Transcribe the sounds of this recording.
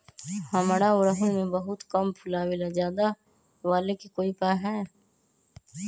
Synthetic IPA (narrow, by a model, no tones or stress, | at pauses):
hɐmɾaʊɾəɦʊmẽbɐɦʊt̪kɐmpʰʊlaːwilazaːd̪a | ʋaːlekikoːipaːɦɛ̃ː